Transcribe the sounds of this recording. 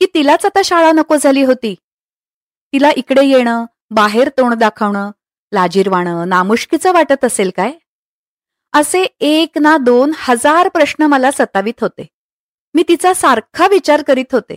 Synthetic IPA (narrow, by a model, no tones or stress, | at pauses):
kiːt̪ilat͡sat̪aɕaɭanəkod͡zʱaliːɦot̪iː | t̪ilaʔikɽejeɽ̃ə | baɦeɾt̪oɳd̪akʰəʋɳəː | lad͡ʑiːɾʋaɽ̃əːnamuɕkit͡səʋaʈət̪əselkaj | əseeknad̪onhəd͡zaɾpɾəɕnəməlasət̪aʋiːt̪ɦot̪e | miːt̪it͡sasaɾkʰaʋit͡ɕaɾkəɾiːt̪ɦot̪ḛ